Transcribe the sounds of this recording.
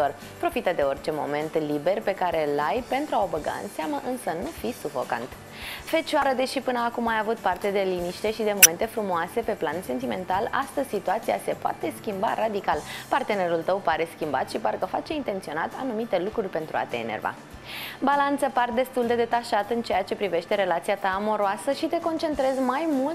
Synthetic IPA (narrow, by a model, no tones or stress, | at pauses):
t̪or | pɾo̞fit̪əd̪e̞o̞rt͡ʃe̞mo̞̰me̞nt̪libe̞rpe̞kaɾe̞lajpe̞nt̪ɾuaobəɡa̰ɨ̰nseaməʔɨnsənufisufo̞̰ka̰nt̪ | fe̞t͡ʃaɾəd̪e̞ʃipɨnəːkumajavut̪̚part̪e̞d̪e̞liniʃt̪e̞ʃid̪e̞mo̞me̞nt̪efɾumoase̞pe̞planse̞nt̪ime̞nt̪ala̰st̪əzʲsit̪uat̪sia̰se̞poa̰t̪e̞skʲimba̰ɾad̪ikalpart̪e̞ne̞ɾult̪əwpaɾe̞skʲimba̰t̪ʃiparkəfat͡ʃe̞int̪e̞nt̪sio̞nat̪ʰa̰numit̪e̞lukɾurʲpe̞nt̪ɾua̰t̪ḛːnḛrva̰ | balant̪səpard̪e̞st̪uld̪e̞d̪e̞t̪aʃat̪əɨnt͡ʃe̞jat͡ʃe̞pɾive̞ʃt̪e̞ɾe̞lat̪sijat̪aːmo̞ɾoasəʃit̪e̞ko̞nt͡ʃe̞nt̪ɾe̞zmajmult̪